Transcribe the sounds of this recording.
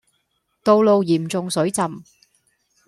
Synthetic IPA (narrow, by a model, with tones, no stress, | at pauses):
t̪o˧wlo˨˧wjiː˨˩mt͡sʊ˨ŋsɵ˨˥t͡sɐ˨m